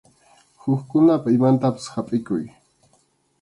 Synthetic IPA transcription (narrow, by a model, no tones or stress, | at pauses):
xʊxkʊnapaɪmant̪apḁsxapʼɪkʊj